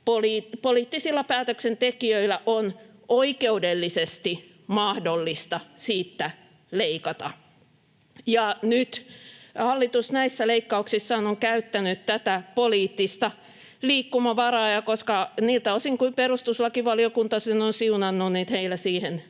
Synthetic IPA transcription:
poliːtpoliːt̪ːisilːɑpæːt̪øksent̪ekiøilæʔon | oikeudelːisest̪i | mɑhdolːist̪ɑsiːt̪ːæ | leikɑt̪ɑ̰ | jɑnyt̪hɑlːit̪usnæisːæleikːɑuksisːɑːnoŋkæyt̪ːænyt̪t̪æt̪æpoliːt̪ːist̪ɑ | liːkːumɑʋɑrɑːjɑkoskɑniːlt̪æosiŋkuimperust̪uslɑkiʋɑliokunt̪ɑsenonsiunɑnːunniːt̪heilːæsiːhen

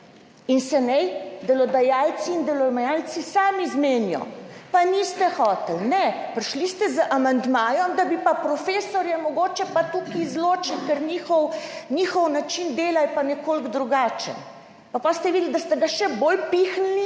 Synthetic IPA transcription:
insɛnɛjd̪ɛlɔd̪ajaːlt̪siːnd̪ɛlɔmajalt̪sisaːmizmeːnjɔ̰panist̪ɛxɔːt̪ɛlnɛpɾiʃlist̪ɛzəʔamand̪maːjɔmd̪abipapɾɔfeːsɔɾjɛmɔɡoːt͡ʃɛpat̪ukiːzloːt͡ʃilkəɾniːxɔwnʲixɔwnat͡ʃind̪eːlajpanɛkoːlɡd̪ɾuɡaːt͡ʃɛ̰n | papast̪ɛʋid̪ld̪ast̪ɛɡaʃɛboːlpixnni

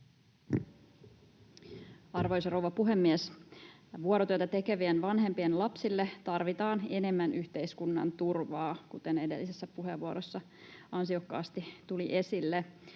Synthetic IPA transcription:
ɑrʋo̞jsrowʋɑpuɦe̞mːies | ʋuoɾot̪yøt̪æt̪e̞ke̞ʋienʋɑnɦe̞mpienlɑpsilːet̪ɑrʋit̪ɑːne̞ne̞mːænʔyçt̪e̞jskunːɑ̰nt̪urʋɑːkut̪e̞ne̞de̞̰lːisesːæpuɦeʋuoɾosːɑ | ɑnsio̞kːɑ̰ːst̪it̪uliʔe̞silːe

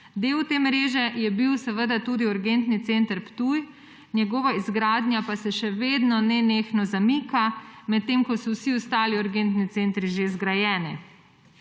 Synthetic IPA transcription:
d̪eːwt̪eːmɾeːʒɛjɛbiwsəʋəd̪at̪uːd̪iuɾɡent̪nit̪sent̪əɾpt̪uj | njɛɡɔːʋaizɡɾaːd̪njapasɛʃɛʋeːd̪nɔnɛneːxnɔzamikamɛt̪ːemkɔsɔwsiɔst̪aːliʊɾɡent̪nit̪sent̪ɾiʒezɡɾajɛːni

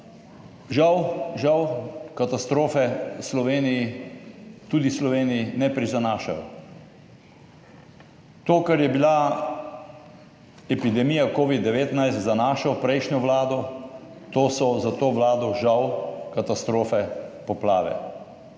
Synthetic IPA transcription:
ʒawʒawkat̪ast̪ɾoːfɛslɔʋeːniji | t̪uːd̪islɔʋeːnijinɛpɾizanaːʃa̰jɔ̰ | t̪oːkaɾjɛbila | ɛpid̪ɛmiːjakoːʋid̪dːɛʋeːt̪najst̪zanaːʃɔpɾɛjʃnʲɔʋlaːd̪ɔ | t̪oːsɔzat̪oːʋlaːd̪ɔʒawkat̪ast̪ɾoːfɛpɔplaːʋɛ̰

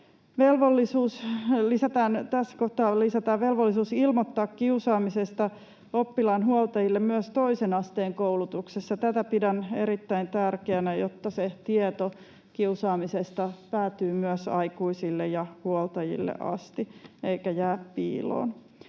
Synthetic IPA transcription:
ʋelʋolːisuːslisæt̪æːnt̪æsːæ̥koht̪ɑːlisæt̪ɑːʋʋelʋolːisuːsilmot̪ːɑːkkiusɑːmisest̪ɑ | opːilɑnɦuolt̪ɑjilːemmyøst̪oisenɑst̪eːŋkoulut̪uksesːɑt̪æt̪æpidæneɾit̪ːæint̪ærkeænæjot̪ːɑset̪iet̪o | kiusɑːmisest̪ɑpæːt̪yːmyøsɑ̰ikuisilːejjɑhuolt̪ɑjḭlːḛʔɑ̰st̪ieikæjæːppḭːlo̰ːn

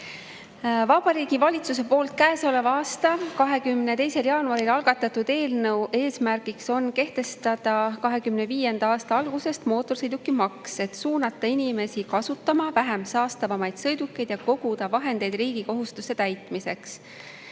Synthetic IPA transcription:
vɑb̥ɑɾiːɡ̥ivɑlʲit̪sus̬e̞po̞ːlt̪̚kæːso̞le̞vɑɑːst̪ɑkɑɦe̞kymne̞t̪e̞jse̞ljɑːnuɑɾilɑlɡ̥ɑt̪ːˑɑt̪ud̪̥e̞ːlnɤwʔe̞ːsmærɡikso̞nke̞ht̪e̞st̪ɑd̪̥ɑkɑɦe̞kymneviːje̞nd̪̥ɑɑːst̪ɑɑlɡ̥use̞st̪mo̞ːt̪ːˑo̞rsɤjd̪ukːˑimɑkse̞t̪suːnɑt̪ːˑɑinime̞sikɑsut̪ːˑɑmɑvæɦemsɑːst̪ɑvɑmɑjd̪̥sɤ̞jd̪ukːe̞jd̪jɑko̞ɡ̥ud̪ɑvɑɦe̞nd̪̥e̞jd̪̥riːɡ̥iko̞ɦust̪use̞t̪æjt̪ˑmise̞ks

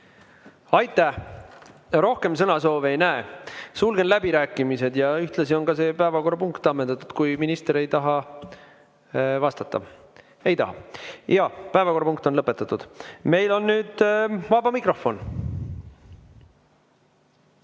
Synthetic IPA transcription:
ɑjt̪ːˑæh | ɾo̞hke̞ms̬ɤnɑso̞ːvejnæesulɡe̞nlæbiɾæːkːˑimise̞d̪jɑyht̪lɑsio̞nɡɑse̞ːpæevɑko̞rɑpuŋkt̪ˑːɑmːend̪ɑt̪ːˑu̥d̪̥kujminist̪eɾe̞jt̪ɑɦɑ | vɑst̪ɑt̪ːɑ̰ | e̞jt̪ɑ̰ɦɑ̰jɑpæevɑko̞rːɑpuŋk̚t̪onlɤpːˑet̪ːˑɑt̪ːˑud̪̥me̞jlo̞nːyːd̪̥vɑb̥ɑmikro̞fo̞n

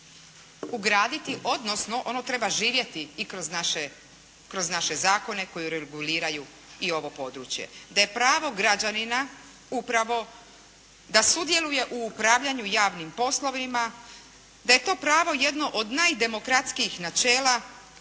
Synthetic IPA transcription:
uɡɾaːd̪it̪iʔo̞d̪no̞sno̞ʔono̞t̪ɾe̞baʒiːʋje̞t̪iːkɾoznaʃe | kɾo̞znaʃe̞zaːko̞ne̞ko̞jiɾeɡuliːɾaju | io̞ʋo̞po̞d̪ɾuːt͡ɕje̞̰d̪aje̞pɾaːʋo̞ɡɾad͡ʑanina | upɾaʋo̞ | d̪asud̪je̞luje̞ʔuːpɾaːʋʎaɲujaːʋnimpo̞slˠoʋima | d̪aje̞t̪o̞ːpɾaːʋo̞je̞d̪no̞ʔod̪najd̪e̞mo̞kɾat̪skiixnat͡ʃe̞ːla

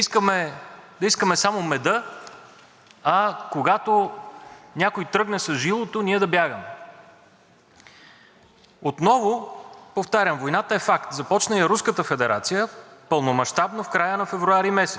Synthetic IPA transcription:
iskəmɛd̪ɐiskəmɛsamomɛd̪ɤ | ɐkoɡat̪o | nʲakojt̪ɾɤɡnɛsɐzʒilˠot̪oniɛd̪ɐbʲjaɡəmɛ | ot̪nɔvopoft̪aɾʲjəmvojnat̪əɛfakt̪zɐpɔt͡ʃnɐjɐɾuskət̪əfɛd̪ɛɾʔat̪sijəpəlˠnomɐʃt̪abnofkɾajənɐfɛvɾuaɾimɛsɛ̥s

